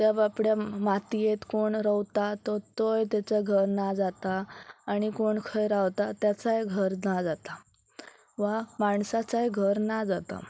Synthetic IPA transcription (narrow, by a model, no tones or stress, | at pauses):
t̪abapɽjamat̪ijet̪koɳɾəʋt̪at̪ɔt̪ojt̪jat͡saɡʱəɾnad͡zat̪aːɽ̃ikoɳkʰəjɾaʋt̪at̪jat͡sajɡʱəɾnad͡zat̪a | ʋamaɳsat͡sajɡʱəɾnad͡zat̪a̰